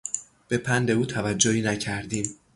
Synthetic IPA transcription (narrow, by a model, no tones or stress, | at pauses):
b̥e̞pʰænd̪e̞uːt̪ʰævæd͡ʒːohiːnæcʰæɾd̪iːm